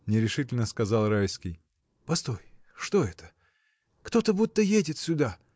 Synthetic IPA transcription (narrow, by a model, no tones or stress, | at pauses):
nʲɪɾʲɪʂɨtʲɪlʲnəskɐzɑlˠrajskʲɪj | pɐst̪o̞j | ʂt̪o̞ɛt̪ə̥ | kt̪o̞t̪əbut̪ːəjedʲɪt̪sʲʊd̪a